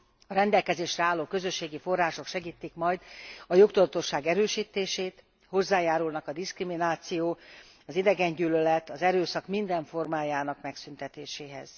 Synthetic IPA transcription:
ɒɾɛnd̪ɛlkɛzeːʃrɛaːlːoːkø̞zø̞ʃːeːɡifo̞rːaːʃo̞kʃɛɡiːt̪ːikmɒjd̪ɒjo̞kt̪ud̪ɒt̪o̞ʃːaːɡɛɾøːʃiːt̪ːeːʃeːt̪ | ho̞zːaːjaːɾulnɒkɒd̪iskriminaːt̪sijoː | ɒzid̪ɛɡɛɲɟyːlølɛt̪ɒzɛɾøːsɒkmind̪ɛɱfo̞rmaːjaːnɒkmɛksynt̪ɛt̪eːʃeːɦɛ̰z̥

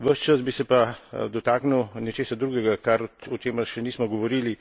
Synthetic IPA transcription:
ʋəʃt͡ʃəsbisɛpad̪ɔt̪aːknuwnɛt͡ʃeːsad̪ɾuːɡɛɡakaɾɔt͡ʃeːmɐʃɛniːsmɔɡɔʋɔɾiːli

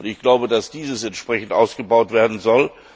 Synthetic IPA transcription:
ʊntɪçɡ̥laʊbədasd̥iːzəsɛntʃpʁ̥ɛçn̩tʔa̰ʊsɡ̥əbaʊtv̥eːɐdn̩zɔl

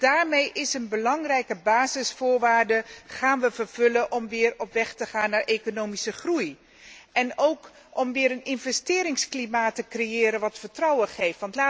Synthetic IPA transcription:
d̥aːɹmejʔɪsənbəlɑŋrɛjkəbaːzɪsfʊːɹʋaːɹdəχaːnʋəvəɹvɵləʔɔmʋɪːrɔpʋɛχtəχaːnːaːɹʔekonowmisəχruj | ʔɛnowk | ɔmʋɪːɾənɪnvɛstɪːɾɪŋsklimaːtəkrejɪːɾənʋɑtfəɹtrɑwəχejftʋɑntlaː

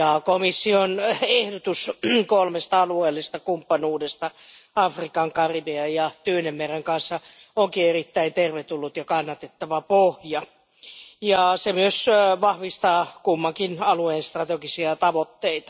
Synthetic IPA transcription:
jɑkomisːionehdot̪uskolmest̪ɑɑlueːlːist̪ɑkumpːɑnuːdest̪ɑɑfrikɑŋkɑriʋeɑjɑt̪yønemmereŋkɑnsːɑ | oŋkierit̪ːæint̪erʋet̪ulːut̪jɑkɑnːɑt̪et̪ːɑʋɑpohjɑ | jɑsemyøsʋɑhʋist̪ɑːkumːɑŋkinɑlueːnst̪rɑt̪eɡisiɑt̪ɑʋot̪ːeit̪ɑ̥

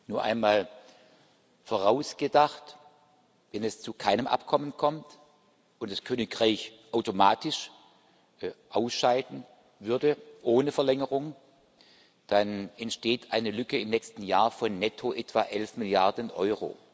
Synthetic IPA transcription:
nuːɐʔa̰ɪnmaːl | foʁaʊsɡ̥ədaχt | vɛnɛst͡sukʰaɪnəmʔa̰pkʰɔmənkʰɔmt | ʔʊntd̥askʰøːnɪkʁaɪçʔaʊtomaːtɪʃ | ʔaʊsʃaɪdn̩ | vʏɐdəʔoːnəfɛɐlɛŋəʁʊŋ | d̥anɛntʃteːtʰʔaɪnəlʏkəɪmnɛːkstn̩jaːɐfɔnːɛtʰoʔɛtv̥aːʔɛlfmɪljaɐdənʔɔʏʁo̰ː

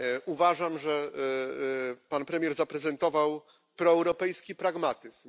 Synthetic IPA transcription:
uvaʐamʐɛ | panpɾɛmjɛɾzapɾɛzɛnt̪ɔvaw | pɾɔɛwɾɔpɛjskʲipɾaɡmat̪ɘzm

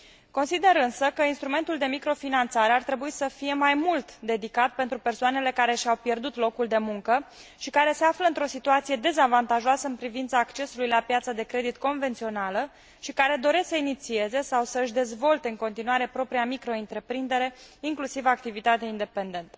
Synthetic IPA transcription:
ko̞nsid̪e̞ɾɨnsəkəinst̪ɾume̞nt̪uld̪e̞mikɾo̞finant̪saɾe̞art̪ɾe̞buisəfije̞majmult̪d̪e̞d̪ikat̪̚pe̞nt̪ɾupe̞rsoane̞le̞kaɾe̞ʃawpje̞rd̪ut̪lo̞kuld̪e̞muŋkə | ʃikaɾe̞se̞afləɨnt̪ɾo̞sit̪uat̪sije̞d̪e̞zavant̪aʒoasəɨnpɾivint̪saːkt͡ʃe̞sulujlapjat̪sad̪e̞kɾe̞d̪it̪ko̞nve̞nt̪sio̞nalə | ʃikaɾe̞d̪o̞ɾe̞sksəinit̪sie̞ze̞sawsəɨʃd̪e̞zvo̞lt̪e̞ɨŋko̞nt̪inuaɾe̞pɾo̞pɾiamikɾo̞int̪ɾe̞pɾind̪e̞ɾe̞iŋklusivak̚t̪ivit̪at̪eaind̪e̞pe̞nd̪e̞nt̪ə̥

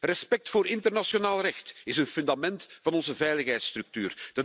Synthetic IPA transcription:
rɛspɛk̚tfoːɾɪntərnasjonaːlˠrɛxtɪsənfʏndamɛntfɑnɔnzəvɛjləxɦɛjtst̪ɾɵk̚tyːrd̥ə

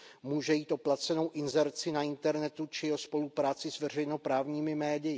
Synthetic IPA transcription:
muːʒɛjiːt̪ʔo̞plat͡sɛno̞wʔɪnzɛɾt͡sɪnaɪnt̪ɛɾnɛt̪ut͡ʃɪjɛɦospo̞lupɾaːt͡sɪzvɛr̝ɛjno̞pɾaːvɲiːmɪmɛːdɪjɪ

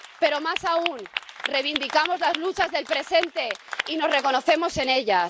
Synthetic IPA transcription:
pe̞ɾo̞masaunre̞jβind̪ikamo̞zlazlut͡ʃazðe̞lpɾe̞se̞nt̪e̞ino̞zre̞ko̞no̞θe̞mo̞se̞ne̞ʎa

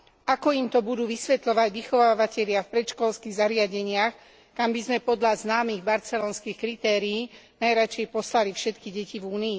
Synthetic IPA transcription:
ʔakɔimt̪ɔbud̪uːʋisʋɛt̪ʎɔʋaɟʋixɔʋaːʋacɛʎɪafpɾɛt̪ʃkɔlskiɣzaɾɪaɟɛɲɪax | kambizmɛpɔd̪ʎaznaːmiɣbaɾt͡sɛlɔːnskixkɾit̪ɛːɾiːnajɾat͡ʃɛjpɔslalifʃɛt̪kiɟɛcivuːniː

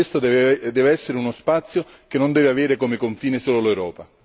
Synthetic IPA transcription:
est̪od̪ɛːveɛsːeɾɪunospat̪sːjo | k̟enːond̪ɛːvɪaveːɾɪkomekoɱfiːnɪsoːlolewɾɔːpa

